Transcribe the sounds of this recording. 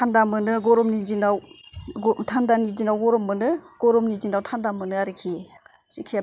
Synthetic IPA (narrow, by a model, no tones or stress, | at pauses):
tʰandamɯnɯɡɔɾɔmnid͡ʒinaw | tʰandanid͡ʒinawɡɔɾɔmːɯnɯɡ̥ɔɾɔmnid͡ʒinawtʰandamɯnɯaɾɯkʰi | sikʰia